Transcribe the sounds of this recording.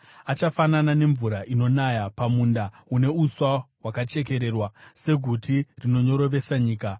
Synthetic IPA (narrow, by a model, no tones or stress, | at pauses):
at͡ʃafananane̞ɱvuɾaʔino̞najapamuːnda | une̞uswawakat͡ʃe̞k̬e̞ɾe̞ːrwase̞ɡʱutirino̞ɲo̞ɾo̞ʋe̞saɲiːka